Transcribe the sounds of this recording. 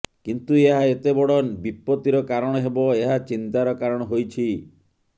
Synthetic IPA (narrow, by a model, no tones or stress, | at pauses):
kint̪ueɦaet̪ebɔɽɔbipːɔt̪iɾɔkaɾɔɽ̃ɔɦebɔeɦat͡ʃint̪aɾɔkaɾɔɽ̃ɔɦojt͡ʃʰi